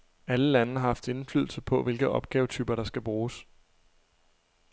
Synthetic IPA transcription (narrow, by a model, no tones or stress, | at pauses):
æləlænəɑhɑ̈fd̥e̝nfly̰ðˠl̩səpʰɒ̽ʋe̝lɡ̥ð̩ˠɒ̽b̥ɡ̥ɛːʊt͡sʰyːb̥ɐɾ̥ɑ̈sɡ̥æb̥ʁuːs